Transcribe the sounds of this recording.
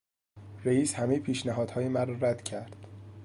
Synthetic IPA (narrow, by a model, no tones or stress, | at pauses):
ɾejiːshæmejepʰiːʃnæɦɒːd̪hɒːjemæɾɒːɾæd̪̥cʰæɾd̪̥